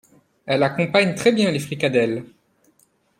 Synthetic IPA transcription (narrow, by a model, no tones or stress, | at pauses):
ɛlakɔ̃paɲt̪χɛbjɛ̃lefχikad̪ɛl